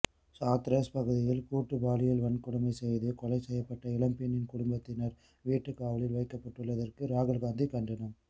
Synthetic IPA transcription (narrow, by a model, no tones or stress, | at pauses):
saːt̪ɾɐspɐɣɯðɪjɪlkuːʈːɯbaːlɪjɪlʋɐɳkːʊɽɐmɐɪsɛjðɯkɔlɐɪsɛjːɐpːɐʈːɐɪlɐmpɪnːɪnkʊɽʊmbɐt̪ːɪnɐɾ | ʋiːʈːɯkːaːʋɐlɪlʋɐɪkːɐpːɐʈːɯɭːɐðɐrkɯɾaːɣɐlɣaːnd̪ikɐɳɖɐnɯm